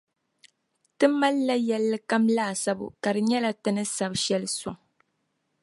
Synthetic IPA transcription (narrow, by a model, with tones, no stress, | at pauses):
tɨ˦mːa˦lːa˦jɛ˦lːɨ˦ka˦mlaː˦˨sa˦bʊ̰˨ka˨ɾɨ˨ɲɛ˦la˦tɨ˦nɨ˦sa˨bʃɛ˦lɨ˦sʊ˨ŋ